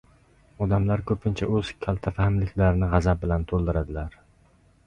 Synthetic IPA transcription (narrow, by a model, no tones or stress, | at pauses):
ɒd̪amlaɾkʰɵpʰɪnt͡ʃʰaɵz̥kʲʰalˠt̪ʰafahmlɪkʲʰlaɾɪnɪʁɑzap̚bɪlant̪ʰolˠd̪ɪɾad̪ɪlaɾ